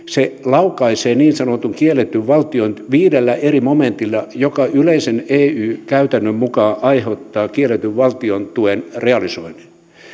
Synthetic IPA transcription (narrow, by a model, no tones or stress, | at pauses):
selɑukɑiseːniːnsɑnot̪uŋkielet̪ːyʋʋɑlt̪ionʋiːdelːæʔerimoment̪ilːɑjokɑyleiseneːyːkæyt̪ænːømmukɑːʔɑiheut̪ːɑːkielet̪yʋʋɑlt̪iont̪uenreɑlisoini̥